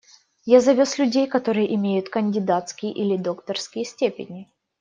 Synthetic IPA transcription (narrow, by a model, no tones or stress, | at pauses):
jazɐvʲo̞slʲʉdʲejkɐt̪o̞ɾɨjəʔɪmʲejʊt̪kənʲdʲɪd̪at̪skʲɪjəʔilʲɪd̪o̞kt̪ərskʲɪjəsʲtʲepʲɪ̰nʲɪ